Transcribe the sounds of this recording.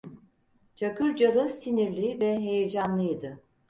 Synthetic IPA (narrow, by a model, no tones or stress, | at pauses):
t͡ʃʰakʰɯɾd͡ʒad̪ˠɯsiniɾlʲivɛɦe̞jed͡ʒanlˠɯid̪ɯ